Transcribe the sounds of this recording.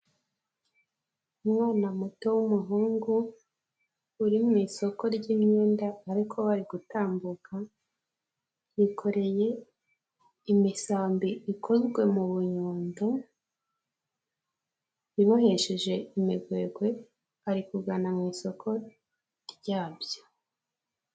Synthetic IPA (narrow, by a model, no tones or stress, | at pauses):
umŋaːnamuto̞wumuɦuːŋɡu | ɾimŋiːso̞ko̞ɾɟiːmɲe̞ːndaːɾikʰo̞βaɾiɡutaːmbukʰa | jikʰo̞ɾe̞je̞ | imisaːmbiʔikʰo̞zɡwe̞muβuɲuːndo | iβahe̞ʃeʒe̞imiɡwe̞ːɡwe̞ | aɾikuɡanamŋiːso̞kʰo̞ | ɾɟaːβjo